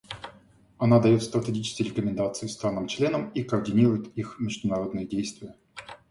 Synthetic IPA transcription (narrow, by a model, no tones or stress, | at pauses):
ɐnad̪ɐjot̪st̪ɾət̪ʲɪɡʲit͡ɕɪ̥skʲɪɾʲɪkəmʲɪnd̪at̪sɨʊst̪ɾanːɨmt͡ɕlʲenəmikəːrdʲɪnʲiɾʊjɪt̪ixmʲɪʐd̪ʊnɐɾo̞d̪nɨjədʲejst̪vʲɪjə